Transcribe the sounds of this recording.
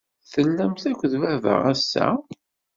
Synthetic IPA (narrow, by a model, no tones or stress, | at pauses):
θəlːæmθækʷːðvævə̰ʁæsːæ̰